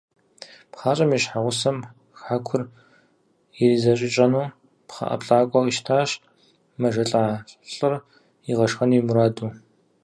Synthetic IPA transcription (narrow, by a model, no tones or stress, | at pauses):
pχaːt͡ʃʼɐmiɕħaʁʷʊsɐm | xħakʷʰʊr | irizɐɕʼɪt͡ʃʼɐnuː | pχɐ̰ʔɐ̰pɬʼaːkʷʼɔiʃtʰaːɕ | mɐʒɐɬʼaːɬʼɬʼɨr | iʁɐʂxɐniːmuɾaːduː